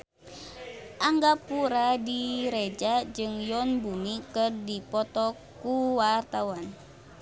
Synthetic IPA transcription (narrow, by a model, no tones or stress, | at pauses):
ʔaŋɡapuɾadiɾed͡ʒad͡ʒɨŋjɔnbunikɨrdipɔt̪ɔ | kuwart̪awan